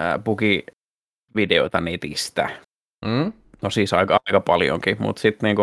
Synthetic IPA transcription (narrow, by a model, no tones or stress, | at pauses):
ə̰puki | ʋideoit̪ɑnet̪ist̪æ | nosiːsɑikɑikɑpɑljo̰ŋkimṵt̪sit̪niːŋku